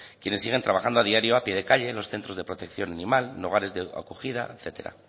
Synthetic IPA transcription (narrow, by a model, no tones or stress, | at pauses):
kje̞nesːiɣ̞e̞nt̪ɾaβaxand̪oað̞iaɾjo̞apje̞ð̞e̞kaʎe̞lo̞sθent̪ɾo̞zðe̞pɾo̞t̪e̞kθjo̞nanĩmalnoɣ̞aɾe̞zðea̰koxið̞a̰eθe̞t̪e̞̰ɾa̰